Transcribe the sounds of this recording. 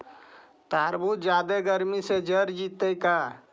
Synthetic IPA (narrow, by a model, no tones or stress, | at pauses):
t̪aːɾbut̪d͡ʒaːd̪eɡəɾmised͡ʒəɾd͡ʒit̪əjka